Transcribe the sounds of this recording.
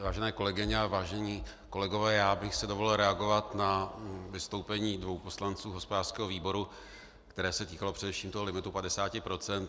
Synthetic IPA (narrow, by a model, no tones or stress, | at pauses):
vaːʒɛnɛːko̞lɛɡɪɲɛavaːʒɛɲiː | ko̞lɛɡo̞vɛːjaːbɪxsɛdovolɛlɾɛaɡo̞vat̪navɪst̪o̞wpɛɲiːdvo̞wpo̞slant͡suːɦo̞spodaːr̥skɛːɦoviːbo̞ɾu | kt̪ɛɾɛːsɛt̪iːkalo̞pr̥ɛdɛfʃiːmt̪oɦolɪmɪt̪upadɛsaːcɪpɾo̞t͡sɛnt̪